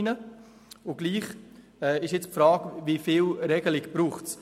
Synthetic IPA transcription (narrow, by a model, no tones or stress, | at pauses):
nə | ʊɡ̥liːχ | ɛːɪʃjɛt͡spfɾɑːɡvifɪːlɾɛɡ̥əlɪɡb̥ɾuːχts